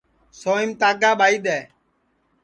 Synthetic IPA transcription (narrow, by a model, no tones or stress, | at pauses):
soːimt̪aːɡaːɓaːiːd̪ɛː